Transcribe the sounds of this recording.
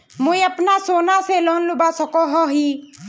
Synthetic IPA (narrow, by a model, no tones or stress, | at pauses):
mujapnasonaselɔnlubasɔkɔɦɔɦi